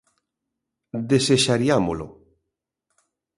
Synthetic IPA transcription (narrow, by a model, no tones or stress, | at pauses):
d̪eseʃaɾiamolo̰